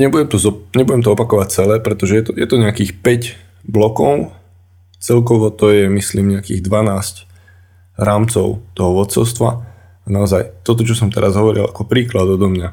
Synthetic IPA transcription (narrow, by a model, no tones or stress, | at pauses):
ɲɛbujɛmt̪ɔzɔɲɛbuɟɛmt̪ɔɔpakɔʋac̚t͡sɛlɛːpɾɛt̪ɔʒɛjɛt̪ɔjɛt̪ɔɲɛakiːxpɛɟ | blɔkɔʊ | t͡sɛlkɔʋɔt̪ɔjɛmisliːmɲɛakḭːɣd̪ʋanaːsc | ɾaːmt͡sɔʊt̪ɔɦɔʋɔt̪t͡sɔ̰ʊst̪ʋa̰ | anaɔzajt̪ɔt̪̬ɔt͡ʃɔsɔmt̪ɛ̰ɾazɦɔʋɔɾḭlakɔpɾiːklad̪ɔd̪ɔmɲa